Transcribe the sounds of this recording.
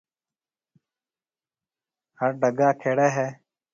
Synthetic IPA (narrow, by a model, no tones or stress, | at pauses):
həɾɖʱəɡaːkʰeːɽeːɦɛː